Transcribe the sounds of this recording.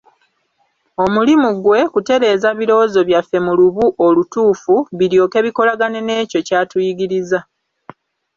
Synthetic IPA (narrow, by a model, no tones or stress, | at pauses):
o̞mulimuɡwe̞kute̞ɾe̞ːzaβiɾo̞ːzo̞βjafːe̞muluβuʔolutuːfuβiɾjo̞ːke̞βiko̞laɡane̞ne̞ːco̞caːtujiɡiɾiza